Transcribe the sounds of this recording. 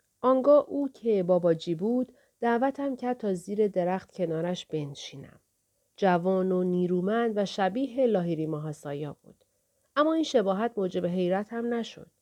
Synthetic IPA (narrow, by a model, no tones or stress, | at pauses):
ʔɒːŋɡɒːʔuːcʰe̞bɒːbɒːd͡ʒiːbuːd̪̥ː | æːʔvæt̪ʰæmcʰæɾd̪̚t̪ʰɒːziːɾe̞d̪e̞ɾæxt̪̚cʰe̞nɒːɾæʃb̥e̞nʃiːnæ̰m | d͡ʒævɒːnoniːɾuːmænd̪væʃæbiːɦe̞lɒːɦiɾimɒɦɒːsɒ̰ːjɒːb̥ṵːd̪̥ | ʔæmːɒːiːnʃebɒːɦæt̪̚mod͡ʒe̞be̞ɦe̞jɾæt̪hæmnæʃo̰d̪̥